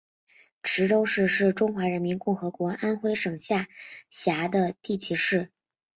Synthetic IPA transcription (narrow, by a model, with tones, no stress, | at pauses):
ʈ͡ʂʰɻ̩˧˥ʈ͡ʂo˥ʊʂɻ̩˥˧ʂɻ̩˥˩ʈ͡ʂʊ˥ŋxwa˧˥ɻə˧˥nmi˧˥nkʊ˥˩ŋxɤ˧˥kwɔ˧˥ʔa˥nxwe˥ɪʂɤ˨˩ŋɕja˥˩ɕja˧˥d̪ə˧t̪i˥˩t͡ɕʰi˧˥ʂɻ̩˥˩